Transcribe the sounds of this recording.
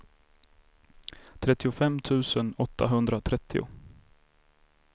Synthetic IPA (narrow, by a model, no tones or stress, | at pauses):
t̪ʰɾɛt̪ːɪʊfɛmt̪ʰʉ̟ːsənɔt̪ʰːa̰ɦɵnd̪ɾat̪ʰɾɛt̪ʰːɪʊ̰